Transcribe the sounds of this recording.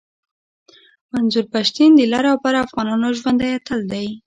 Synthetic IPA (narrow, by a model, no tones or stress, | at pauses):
manzuɾpaʃt̪ind̪əlɑɾawpaɾaafɣɑnɑnoʒwand̪ajat̪əld̪aj